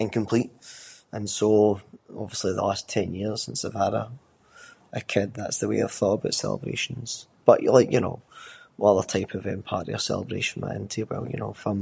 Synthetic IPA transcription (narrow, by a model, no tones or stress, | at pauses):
ɪ̃nkʰə̃mpʰl̥ˠiʔə̃nsoɔbviəslˠiðə̰lˠastʰɛ̃njiɹz̥ɪ̃nsɪv̥əɾə | əkʰɪd̪̚ðatsðəwḛə̰v̥θɔʔəbaʊʔsɛ̰lˠə̰bɹḛʃə̃nz̥b̥ʌʔjʔə̰˞lˠaɪkjɨno̰ | ʌðə˞tʰaɪpʰəvɪ̃mpʰaɹʔḭə˞sɛ̰lˠə̰bɹeʃə̃n̩ma̰ʔɪ̰̃ntʰiwɛ̰lˠjɨ̰noːfə̃m